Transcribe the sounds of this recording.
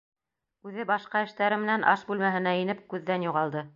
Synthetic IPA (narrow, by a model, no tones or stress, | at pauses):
ʉðɘbɑʃqɑɘ̆ʃt̪æɾɘmɘ̆nænʔɑʃbʉlmæɦɘ̆næinɘp̚kʉðːænjuʁɑlˠd̪ɤ